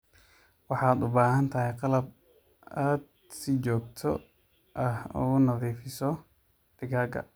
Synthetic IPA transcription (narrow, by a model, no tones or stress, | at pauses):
wɑħɑːd̪ʊbaːɦɐnt̪ʰɐɦɛjqɑlɐb | aːd̪̚ | sɪt͡ʃɔːɡt̪ʰɔ | ʔɐhṵnɐðiːfɪsɔ | d̪̥ɪɡaːɡɐ̰